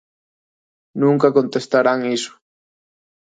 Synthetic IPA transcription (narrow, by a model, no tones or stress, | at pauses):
nũŋkakont̪est̪aɾaŋisʊ̥